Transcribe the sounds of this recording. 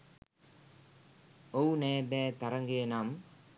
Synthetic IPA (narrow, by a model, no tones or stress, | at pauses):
owneːbɛːt̪ɐɾɐŋɡenaːm